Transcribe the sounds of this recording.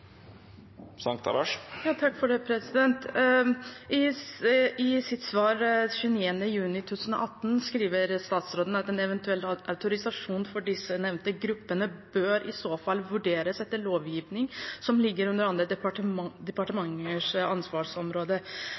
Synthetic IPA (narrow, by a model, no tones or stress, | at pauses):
sɑŋk̚t̪ʰɑ̰ɾɑʂjɑːt̪ʰɑkːfɔɖeːpʰɾɛsɪd̪ɛnt̪ | ɪ | ɪsɪt̪sʋɑːɾɕʉːəniːənəjʉːnɪt̪ʰut̪ʰːʉːsn̩ɔ̰ʔɑt̪ːn̩skɾiːʋəɾst̪ɑːt̪sɾoːd̪ən̩ɑt̪ɛnɛʋɛnt̪ʉɛlːʔaʉt̪ʊɾɪsɑʂuːnfɔɖɪsːənɛʋnt̪əɡɾʉpːənəbøːɾʔɪsoːfɑlːʋʉɖeːɾəsɛt̪ːəɭoːʋjiːʋnɪŋsɔmlɪɡːəɾʉnd̪əɾɑnd̪ɾəd̪d̪ɛpɑʈəmɑŋːəʂɑnsʋɑːʂɔmɾoːd̪ə